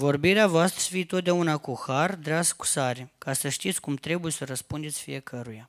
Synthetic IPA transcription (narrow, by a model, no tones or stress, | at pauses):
vo̞rbiɾeavoast̪ɾəfiet̪o̞t̪̚d̪eunakuxard̪ɾeasku̥saɾekasəʃt̪it̪sʲkumt̪ɾe̞buje̞səɾəspund̪esʲfḭje̞kʰəɾuja